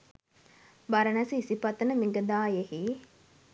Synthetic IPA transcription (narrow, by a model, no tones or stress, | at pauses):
baɾənæsiisipɐt̪ənəmiɡəd̪aːjehi